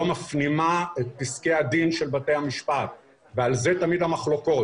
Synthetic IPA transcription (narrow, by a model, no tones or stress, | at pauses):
omafnimaet̪̚piskejhad̪inʃelbate̞jhamiʃpat̪ | vealzet̪amid̪hamaχlo̞ko̞